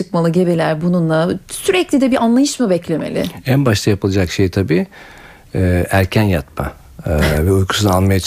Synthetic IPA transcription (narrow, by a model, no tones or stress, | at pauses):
ɯkmalˠɯɟe̞bilʲæɾbununlˠasyɾɛclʲid̪ɛbiʔanlˠajɯʃmɯbɛclʲe̞melʲɪ̰ænbaʃt̪ʰajapʰɯlˠad͡ʒakʃejt̪ʰabiː | æɾcʰænjat̪ma̰ | vɛujkʰu̥sunaanˠmajat͡ʃʰ